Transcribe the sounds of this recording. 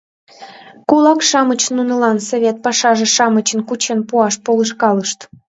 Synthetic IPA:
kulɑkʃɑmət͡ɕnunə̆lɑnsoβʲet̪̚pɑʃɑʒĕʃɑmət͡ɕə̆nkut͡ɕenpuɑʃpoləʃkɑləʃt̪

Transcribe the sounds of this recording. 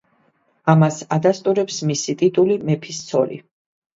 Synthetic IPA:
amasad̪ast̪ʼuɾɛpsmisit̪ʼit̪ʼulimɛpʰist̪sʰɔɾḭ

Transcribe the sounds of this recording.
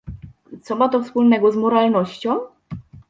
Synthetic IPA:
t̪sɔmat̪ɔfspulnɛɡɔzmɔɾalnɔɕt͡ɕɔ̃w̃

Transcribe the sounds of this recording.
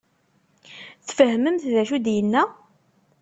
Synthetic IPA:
θfəhməmθðæʃud̪jənːæ

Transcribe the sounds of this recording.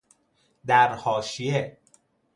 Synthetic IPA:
d̪æɾhɒːʃije

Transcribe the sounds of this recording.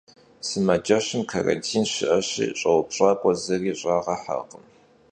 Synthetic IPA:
sɨmɐd͡ʒɐɕɪmkʰarɐ̰ntʰiːnɕɪʔɐɕḭːɕʼɐwpɕʼaːkʷʼɔzɐriːɕʼɑːʁɐħa̰qəm

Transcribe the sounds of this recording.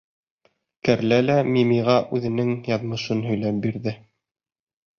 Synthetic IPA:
kæɾlælæmimiʁɑʔʉðɘ̆nɘŋjɑðmɤ̆ʃɤnɦɵ̆jlæp̚biɾðɘ

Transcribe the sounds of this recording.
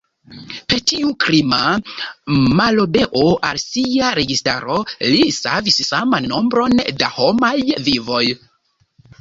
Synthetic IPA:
pe̞tiukɾima | malobe̞ʔoʔa̰lsiaɾe̞ɡista̰ɾo̞lisa̰vissamanːombɾo̞ndaho̞majvivo̞j

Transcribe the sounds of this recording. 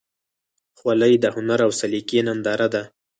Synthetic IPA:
xwaləjd̪əhʊnaɾawsalikenand̪ɑɾad̪a

